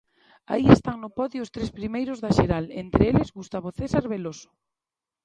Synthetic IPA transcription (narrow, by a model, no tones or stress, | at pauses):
a̰iest̪aŋnʊpɔðjiʊst̪ɾespɾimejɾʊzðaʃeɾalent̪ɾeelɪzɣust̪aβoθesaɾβelosʊ̥